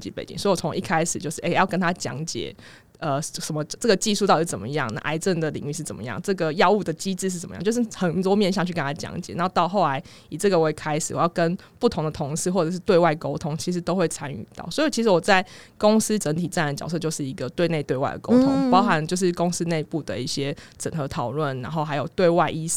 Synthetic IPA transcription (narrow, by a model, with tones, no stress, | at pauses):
t͡ɕḭ˧˥pḛ˨˩ɪt͡ɕḭ˦ŋswi˨˩ɔ˨˩t͡sʰo˧˦ŋʔi˥˩kʰa˥ɪʂɻ̩˨˩t͡ɕjo˥˧ʊʂɻ̩˥˩ʔe˥˦jɑ˥˩ʊkə˥nt̪ʰa˥t͡ɕjɑ̰˧˥˦ŋt͡ɕjɛ̰˨˩˦ | ə˨ʂə˨˩mə˦ʈ͡ʂə˥˩ɡə˩t͡ɕi˥˧su˥˧t̪ɑ˥˧ʊʂɻ̩˥˩t͡sə˨˩mə˦jɑ̰˥˩ŋna̰˥˩ʔa̰˧˥ɪt͡sə˥˩nd̪ə˩lḭ˨˩ŋy˥˧ʂɻ̩˥˩t͡sə˨˩mə̰˩˦jɑ̰˥˩ŋʈ͡ʂɤ˥˩ɡə˩jɑ˥˧ʊu˥˩d̪ə˩t͡ɕi˥t͡sɻ̩˥˧ʂɻ̩˥˩˧ə˨˩m̰˦˥˨t͡ɕjʂɻ̩˥˩xə˨˩nt̪wɔ˥mjɛ˥˧nɕ̬jɑ˥˧ŋt͡ɕʰy˥˩kə˥nt̪ʰa˥t͡ɕjɑ̰˧˥˦ŋt͡ɕjɛ˨˩˦na˥˧t̪ɑ˥˧ʊxo˥˩ʊla˧˦ɪ | i˨˩t͡sə˥˩ɡə˨we˥˩kʰa˥ɪʂ̩˨˩wɔ˨˩jɑ˥˩ʊkə˦npu˥˩t̪ʰo˧˦ŋd̪ə˨t̪ʰʊ˧˥ŋsɻ̩˥˧xwɔ˥˩ʈ͡ʂə˨˩ʂ̬ɻ̩˥˧t̪we˥˧ɪwa˥˩ɪko˥ʊt̪ʰʊ˥ŋt͡ɕʰi˧˥ʂ̬ɻ̩˧˥t̪o˥ʊxwe˥˩ɪt͡sʰa˥ny̰˨˩t̪ɑ̰˥˩ʊswɔ˧˥i˨˩t͡ɕʰi˧˥ʂ̬̩˧˥wɔ˨˩t͡sa˥˩ɪkʊ˥ŋs̩˥ʈ͡ʂə˧˥nt̪ʰi˨˩t͡sa˥˩n˨˧˩t͡ɕjɑ˨ʊs̬ɤ˥˧t͡ɕjo˥˧ʊʂɻ̩˥˩i˧˦˥ɡə˨t̪we˥˧ɪne˥˩ɪt̪we˥˧ɪwa˥˩ɪd̪ə̰˨˩ko˥ʊʊ˥ŋpɑ˥ʊxa˨˦nt͡ɕjo˥˧ʊʂ̬ɻ̩˥˩kʊ˥ŋs̩˥ne˥˧ɪpu˥˩d̪ə̰˩i˥˩ɕjɛ˦˥ʈ͡ʂə˨˩xɤ˧˥t̪ʰɑ˨˩ʊlwə˥˩nna˧˥nxo˥˩ʊɦa˧˥jo˨˩ʊt̪we˥˧ɪwa˥˧ɪʔi˥